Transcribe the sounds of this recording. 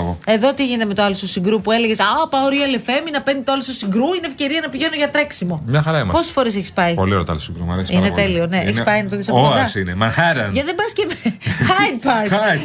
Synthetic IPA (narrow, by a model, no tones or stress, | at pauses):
oe̞ðo̞t̪iʝineeme̞t̪oɐlost̪osiŋɡɾupue̞leʝesapɐoɾiɐlefeminɐpendit̪oɐlost̪osiŋɡɾuinefce̞ɾiɐnɐpiʝe̞noʝɐt̪ɾeksimo̞mɲɐxɐɾɐimɐpo̞susfo̞ɾis̬eçispɐipolioɾet̪ɐ̰losiŋɡɾumɐ̰ɾesinet̪e̞lioneʔeçispɐjinɐt̪oðisɐpokod̪ɐsinemɐnxɐɾɐnʝɐðebɐscemxɐjfɐ